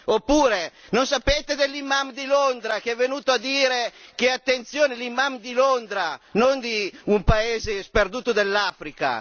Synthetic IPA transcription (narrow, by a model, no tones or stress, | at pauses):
opːuːɾenonsapeːt̪ed̪elːimamd̪ilond̪ɾakeɛvːenuːt̪oad̪iːɾekeat̪ːent̪sjoːnelimːamd̪ilond̪ɾanond̪iumpaeːzesperd̪uːt̪od̪elːafɾika̰